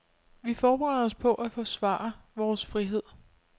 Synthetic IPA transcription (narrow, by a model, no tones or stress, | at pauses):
ʋifɒːb̥eʁɛð̩̰ˠɒ̽spʰɒ̽ʔæfɔsʋɑ̰̈ːɐʋɒːsfʁiɦe̝ð̰ˠ